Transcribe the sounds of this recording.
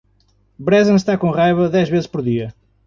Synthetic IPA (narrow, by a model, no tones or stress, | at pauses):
bɾɛzɐ̃nʃt̪akõʁajβɐðɛʒβezɨʃpɔɾðiɐ